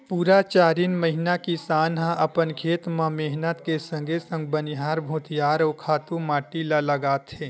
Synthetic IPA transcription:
puːɾat͡ʃaːɾiːnməɦɪnakisaːnɦãʔɐpənkʰeːt̪mãmeɦnət̪kesə̃ŋɡʱesə̃ŋɡ̚bənɪɦaːɾbʱõːt̪jaːɾɔːkʰaːt̪umaːʈilaləɡaːt̪ɦeː

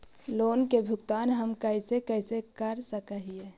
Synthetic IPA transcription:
loːnkebʱʊkt̪aːnɦəmkəɪsekɛɪsekəɾsəkəɦie

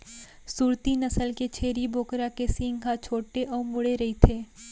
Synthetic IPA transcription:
suːɾt̪inɐsəlket͡ʃʰeːɾiboːkɾakesĩːŋɡat͡ʃʰoːʈeʔɔːɾmʊɽeɾɐɦit̪ʰeː

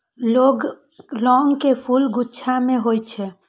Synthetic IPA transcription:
loɡ | lɔŋkepʰulɡutːʃʰamẽɦojt͡ʃʰɛ

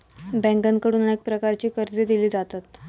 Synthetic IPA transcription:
bɛ̃ŋɡənkəɽuːnek̚pɾəkaɾt͡ɕiːkəɾd͡zed̪iliːd͡zat̪at̪

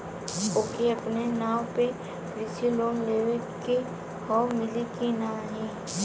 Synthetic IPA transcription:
oːkiɐpnenaːwpe | ɾɪsiloːnleːʋeke | hɔːmɪlikinaɦɛ̃ː

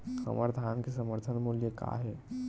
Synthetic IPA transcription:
sə̰məɾd̪ʱaːnkesəməɾt̪ʰənmuljəka̰ɦɛː

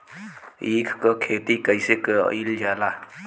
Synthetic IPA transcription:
iːkʰkəkʰeːt̪ikəisekə̰ild͡ʒaːla

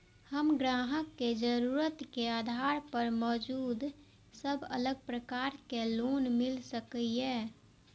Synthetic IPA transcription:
həmɡɾaːɦəkːed͡ʒəɾuɾət̪keaːd̪ʱaɾpəɾmɔːd͡ʒuːd̪ | səbʱə̰ləɡ̚pɾəkaːɾkeloːnmɪlsəkie

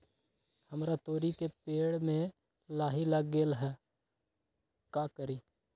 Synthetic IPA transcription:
həmɾat̪oːɾikepeːɽmẽ | laːɦilaɡeːlɦɛː | kaːkəɾiː

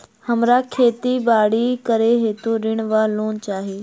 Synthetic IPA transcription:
hɐmɾakʰeːt̪ibaːɽikɐɾeɦeːt̪oɾɪɽ̃ʋaːloːnt͡ɕaːɦeː

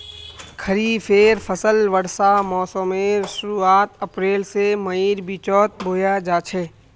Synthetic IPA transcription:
kʰəɾiːpʰeːɾpʰəsəlʋəɽsamɔːsõːmeːɾsʊɾuːaːt̪əpɾeːlseməiːɾbit͡ʃɔːt̪̚bʱoːjaːd͡ʒaːt͡ʃʰeː

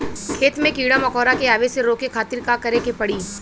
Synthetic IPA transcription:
kʰeːt̪mẽkiːɽamɐkɔːɾakeaːʋeseɾoːkekʰaːt̪ɪɾkaːkɐɾekepɐɽiː

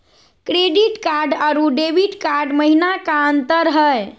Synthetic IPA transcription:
kɾeɖiʈkaɾɖaɾuɖebiʈkaɾɖməɦinakaənt̪əɾɦəj

